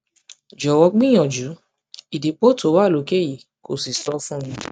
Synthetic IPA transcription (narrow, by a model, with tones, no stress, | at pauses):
d͡ʒɔ˨wɔ˧˦ɡ͡bĩ˦ɔ̃˨d͡ʒu˨˦ | i˨di˨˦k͡po˦to˨˦wa˦˨lo˨˦ke˦˨ji˨ | ko˨si˨sɔ˦fũ˦mĩ˧